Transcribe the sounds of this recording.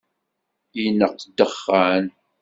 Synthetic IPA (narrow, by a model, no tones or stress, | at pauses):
inəqd̪əχːan